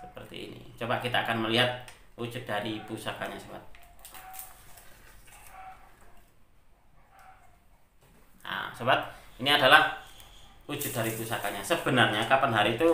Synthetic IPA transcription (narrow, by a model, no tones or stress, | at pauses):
səpərt̪ḭːnḭt͡ʃobakit̪aːkanməliɦat̪̚ud͡ʒʊt̪̚daɾipusakaɲasoba̰t̪̚ | a̰sobat̪̚iniadalah | ud͡ʒʊt̪̚daɾipusakaɲasəbənarɲakapanɦaɾiːt̪u